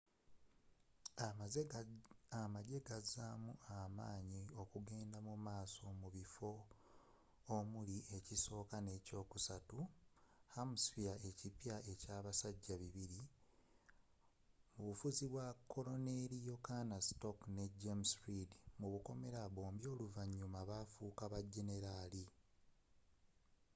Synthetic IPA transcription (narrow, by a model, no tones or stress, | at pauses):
aaz | amaɟe̞ɡazamuamaːɲio̞kuɡe̞ːndamumaːso̞muβifo̞ | muliʔeciso̞ːkane̞ːco̞ːkusatuhamusfiae̞cipjae̞caːβasaɟːaβiβiɾi | muβufuziβwakʰːo̞lo̞neɾijokanasto̞kne̞ɟemsɾidmuβuko̞me̞ɾaβo̞ːmbjo̞ːluvaɲːumaβaːfuːkaβaɟe̞ne̞ɾali